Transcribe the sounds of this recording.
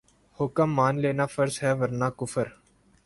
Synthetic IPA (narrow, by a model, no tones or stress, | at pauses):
hʊkəmːaːnleːnaːfəɾzɦɛːʋəɾnaːkʊfəɾ